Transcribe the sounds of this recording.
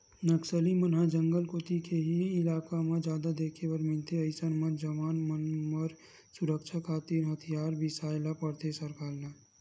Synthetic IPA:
nəksəlimənɦad͡ʒə̃ŋɡəlkot̪ikeɦiɪlaːkamãd͡ʒjaːd̪ad̪eːkʰebəɾmɪlt̪ʰeəɪsənmə̃d͡ʒəʋaːnmənməɾ | sʊɾəkʃʰakʰaːt̪iɾɦət̪ʰijaːɾbʱɪsaːjlapəɾt̪ʰesəɾkaːɾna

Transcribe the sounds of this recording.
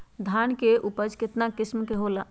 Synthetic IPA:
d̪ʱankeʔupəd͡ʒkɪt̪nakɪsmkeɦola

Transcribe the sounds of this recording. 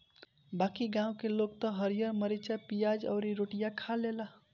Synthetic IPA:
bakiɡãũkeloɡ̚t̪ɔɦəɾijəɾməɾet͡ʃapijad͡ʒɔ̰ʊɾiɾoʈijakʰalela

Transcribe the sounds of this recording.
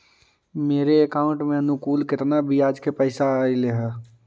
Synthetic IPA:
meːɾeːkaːʊ̃ɳʈmẽənʊkuːlkɪt̪nabʱiaːd͡ʒkepəɪsaaːileɦɛː

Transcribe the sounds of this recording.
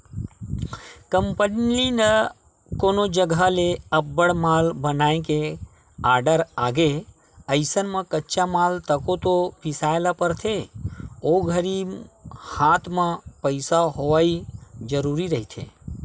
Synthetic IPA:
kəmpənlinə | koːnod͡ʒəɡʱaleəbːəɽmaːlbənaːẽke | aːɾɖəɾaːɡe | əɪsənmə̃kətːʃamaːlt̪əkot̪opʰɪsaːelapəɾt̪ʰe | oɡʱəɾi | hãːt̪ʰmə̃pəɪsaɦoʋaid͡ʒəɾuːɾiɾəɦit̪ʰḛ

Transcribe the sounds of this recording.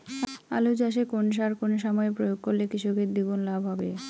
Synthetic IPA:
a̰lod͡ʑaʃ̬ekonʃ̬aɾkonoʃ̬amɔepɾojoɡ̚koɾlekɾiʃoket̪̚d̪ibunlabʱɦɔbe

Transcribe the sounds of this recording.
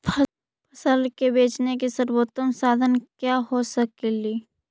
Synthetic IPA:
pʰ | pʰɐsəlkebeːt͡ʃnekesəɾwoːt̪əmsaːd̪ʱənkjaːɦosəkeliː

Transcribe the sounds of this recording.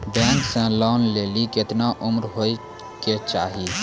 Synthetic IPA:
bɛ̃ːnsẽlɔːnleːlikɪt̪naʔʊmɾɦoːi | ket͡ʃaːɦi

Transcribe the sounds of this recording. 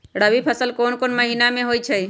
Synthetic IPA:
ɽəbipʰəsəlkoːnkoːnməɦinamẽɦoːit͡ʃʰəi

